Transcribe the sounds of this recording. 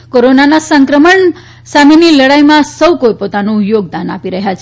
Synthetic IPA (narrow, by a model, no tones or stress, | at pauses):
koɾonanasəŋkɾəməɳ | sameniləɽajmãsəwkojpot̪anũjoɡ̚d̪ana̰piɾəɦjat͡ʃʰe